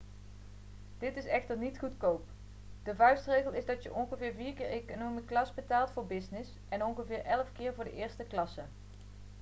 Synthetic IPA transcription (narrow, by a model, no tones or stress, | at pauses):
d̥ɪtɪsɛχtəɹnitχutkowp | d̥əvœɥstrejɣəlˠɪzdɑtjəʔɔnχəvɪːɹviːɹkɪːɹejkonowmiklɑsbətaːlˠtfʊːɹbɪsnɪs | ʔɛnɔnɣəvɪːɹʔɛləfkɪːɹvʊːɹdə̰ʔɪːɹstəklɑsə